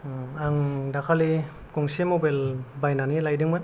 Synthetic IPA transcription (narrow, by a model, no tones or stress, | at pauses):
aŋdakʰali | kɔŋsemobajlbajnanilajdɯŋmɯn